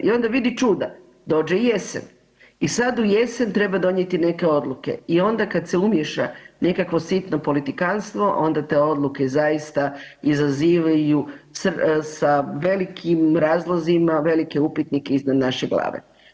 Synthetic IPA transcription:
io̞nd̪aʋid̪it͡ʃuːd̪a | d̪o̞ːd͡ʒeje̞sḛn | isad̪uje̞sent̪ɾe̞bad̪o̞ɲje̞t̪ine̞ke̞o̞d̪lˠuke̞̰io̞nd̪akad̪se̞umje̞ʃa̰ne̞kakʋo̞sit̪no̞po̞lit̪ikanst̪ʋo̞ʔo̞nd̪at̪e̞ːo̞d̪lˠuke̞zajist̪aizaziːʋajussaʋe̞likʰimɾaːzlˠozimaʋe̞like̞upit̪nikeiznad̪naʃeɡlˠa̰ːʋḛ

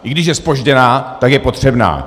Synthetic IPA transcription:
ʔɪɡdɪʃjɛspo̞ʒɟɛnaːt̪akjɛpo̞t̪r̝̥ɛbna̰ː

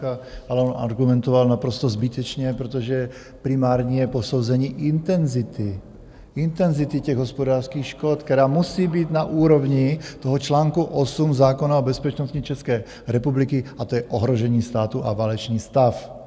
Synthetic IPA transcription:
kaalɛonʔa̰ɾɡumɛnt̪ɔvalnapɾost̪ɔzbit̪ɛt͡ʃɲɛpɾot̪oʒɛ | pɾimaːɾɲɛposowzɛɲiːʔint̪ɛnzit̪i | int̪ɛnzit̪icɛɣɦospodaːɾskiːxʃkɔt̪kt̪ɛɾaːmusiːbiːd̪naʔuːɾovɲit̪oɦɔt͡ʃlaːŋkuʔɔsumzaːkonaobɛspɛt͡ʃnoscɲit͡ʃɛskɛː | ɾɛpublikiat̪ojɛʔoɦɾoʒɛɲiːst̪aːt̪uʔa̰valɛt͡ʃɲiːst̪af

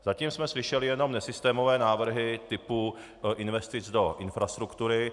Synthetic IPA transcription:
zaciːmsmɛslɪʃɛlɪjɛno̞mnɛsɪst̪ɛːmo̞vɛːnaːvr̩ɦɪt̪ɪpu | ʔɪnvɛst̪ɪt͡sdo̞ʔɪnfɾast̪ɾukt̪uɾɪ

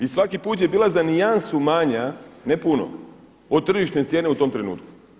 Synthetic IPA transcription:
isʋakipuːt̪̬je̞biːlˠazanijansumaːɲanepuno̰ | od̪̚t̪ːr̩ʒiʃt̪ne̞t̪sʲje̞ːne̞ut̪o̞mt̪ɾe̞nṵːt̪ku̥

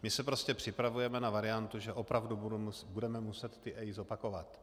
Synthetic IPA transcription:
mɪsɛpɾo̞scɛpr̥ɪpɾavujɛmɛnavaɾɪjant̪uʒɛʔo̞pɾavdubudɛmɛmusɛt̪ːɪʔɛjzo̞pako̞vat̪

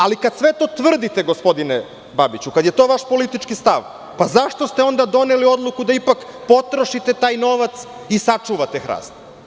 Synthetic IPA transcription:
alikad̪sʋet̪o̞ːt̪ʋr̩d̪it̪e̞ɡospo̞d̪ine | babit͡ɕukad̪jet̪o̞ːʋaʃpo̞lit̪it͡ʃkist̪aʋ | pazaʃt̪o̞st̪eo̞nd̪ad̪o̞nelio̞d̪lˠukud̪aipakpo̞t̪ɾo̞ʃit̪e̞t̪aːjno̞ʋat̪sisat͡ʂuʋat̪exɾa̰ːst̪

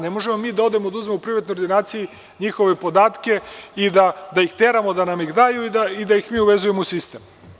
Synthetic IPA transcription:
ne̞mo̞ʒemo̞miːd̪ao̞d̪e̞mod̪auzmemoupɾiʋat̪nojod̪inaːt̪siji | ɲixo̞ʋe̞po̞d̪aːt̪ke̞id̪ad̪ajixt̪e̞ɾamo̞d̪anamixd̪aːjuid̪aid̪ajixmiːuʋe̞zuje̞mousist̪eːm

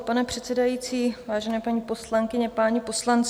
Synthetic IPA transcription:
panɛpr̥ɛt̪sɛdajiːt͡siːvaːʒɛnɛːpaɲiːpo̞slaŋkɪɲɛpaɲipo̞slant͡s

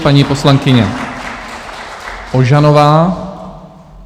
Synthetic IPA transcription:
paɲiːpo̞slaŋkɪɲɛ | ʔoʒanovaː

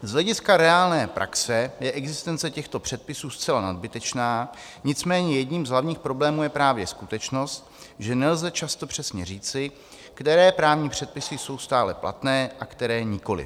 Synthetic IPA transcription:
zɦlɛɟɪskaɾɛaːlnɛːpɾʔa̰ksɛjɛʔɛɡzɪst̪ɛnt͡sɛcɛxt̪o̞pr̥ɛt̪̚pɪsuːst͡sɛlanad̪bɪt̪ɛt͡ʃnaː | ɲɪt͡smɛːɲɛjɛdɲiːmzɦlavɲiːxpɾo̞blɛːmuːjɛpɾaːvjɛskut̪ɛt͡ʃno̞st̪ | ʒɛnɛlzɛt͡ʃast̪o̞pr̝̥ɛsɲɛriːt͡sɪ | kt̪ɛɾɛːpɾaːvɲiːpr̝̥ɛt̪̚pɪsɪso̞wst̪aːlɛplʔa̰t̪nɛːʔakt̪ɛɾɛːɲɪko̞lɪ̰

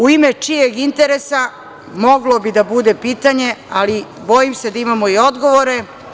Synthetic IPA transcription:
uimet͡ʃijeɡint̪eɾesa | mo̞ɡlo̞bid̪abud̪epiːt̪aɲe̞ali | bo̞jimse̞d̪aimamo̞io̞d̪ɡo̞ʋoɾe̞

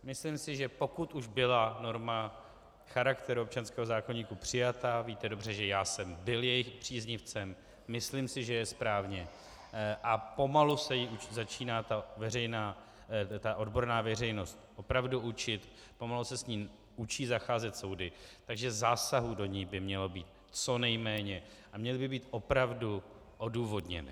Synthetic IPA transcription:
mɪslimsɪʒɛpo̞kut̪ʔuʒbɪlano̞ɾma | xaɾakt̪ɛɾuo̞p̚t͡ʃanskɛːɦozaːko̞ɲiːkupr̝̥ɪjat̪aviːt̪ɛdo̞br̝ɛʒɛjaːsɛmbɪljɛjɪxpr̝̥iːzɲɪft͡sɛmː | ɪslimsɪʒɛjɛspɾaːvɲɛ | ʔapo̞malusɛjiʔut͡ʃzat͡ʃiːnaːt̪avɛrɛjnaː | t̪aʔo̞dbo̞ɾnaːvɛr̝ɛjno̞st̪̚ʔo̞pɾavduʔut͡ʃɪt̪ | po̞malusɛsɲiːm | ʔut͡ʃiːzaxaːzɛt̪so̞wdɪt̪aɡʒɛzaːsaɦudo̞ɲiːbɪmɲɛlo̞biːt̪̚ | t͡so̞nɛjmɛːɲɛ | ʔamɲɛlɪbɪbiːt̪ʔo̞pɾavdu | ʔoduːvo̞dɲɛ̰nɪ̰

